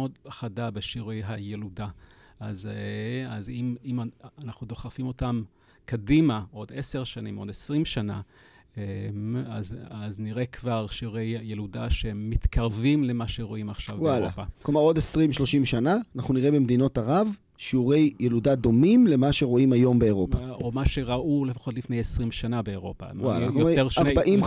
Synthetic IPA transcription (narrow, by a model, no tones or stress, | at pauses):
od̪χadabeʃiʁejɦajeludaaz | azimimanaχnud̪o̞χafimo̞tam | kadimao̞deseʁʃanimo̞desʁimʃana̰ | eazazniʁekvaʁʃiʁejːeludaʃeːit̪kʰaʁvimle̞maʃeʁo̞imaχʃavwala̰pakomaʁo̞desʁimʃlo̞ʃimʃanaːnaχnuniʁebe̞md̪ino̞taʁav | ʃiuʁejːeludad̪o̞mimle̞maʃe̞ʁo̞imajo̞mbeːʁo̞paomaʃe̞ʁaʔulefḁχo̞tlifne̞jesʁimʃanabe̞eʁo̞pa̰mwalaaujeʁabaʔim